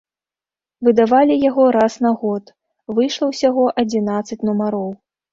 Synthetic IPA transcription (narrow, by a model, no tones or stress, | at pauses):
vɨd̪avalʲijaɣɔɾasnaɣɔt̪ | vɨjʂlˠɐwsʲaɣɔʔɐd͡zʲinat̪sɐt͡sʲnumaɾɔw